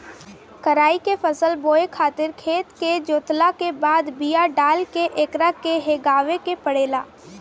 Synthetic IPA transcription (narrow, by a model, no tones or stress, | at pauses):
kəɾaːikepʰəsəlboːekʰaːt̪ɪɾkʰeːt̪ked͡ʒoːt̪lakebaːd̪bijaɖaːlkeʔeːkɾakeɦeːɡaːʋekepəɽeːlaː